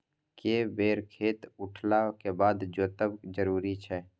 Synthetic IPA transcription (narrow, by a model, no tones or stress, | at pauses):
keːbeːɾkʰeːt̪ʊʈʰlakebaːd̪d͡ʒoːt̪əbd͡ʒəɾuːɾit͡ʃʰɛː